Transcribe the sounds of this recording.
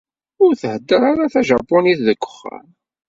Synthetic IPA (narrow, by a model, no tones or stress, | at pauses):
ʊɾθəhəd̪ːəɾaɾaθæʒɑpːɔniθðəkʷːə̥χːa̰m